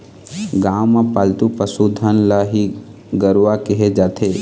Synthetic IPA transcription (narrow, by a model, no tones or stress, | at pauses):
ɡãwmapalt̪upəsud̪ʱənlaɦi | ɡəɾʋakəɦed͡ʒaːt̪ʰe